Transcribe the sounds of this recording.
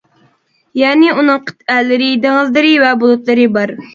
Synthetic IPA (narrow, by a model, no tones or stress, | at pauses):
jɛːnɪunɨŋqʰɨ̥t̪ʰælːɪɾɪd̪eŋəlˠd̪ɨɾɪvɛbulˠut̪lˠɨɾɨbɑɾ